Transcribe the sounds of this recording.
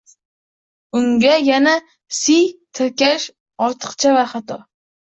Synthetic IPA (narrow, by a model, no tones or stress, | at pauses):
ʊŋɡʲajana | sit̪ʰɪɾkʲaʃ | ɒɾt̪ʰɨ̥qt͡ʃʰavaχat̪ʰɒ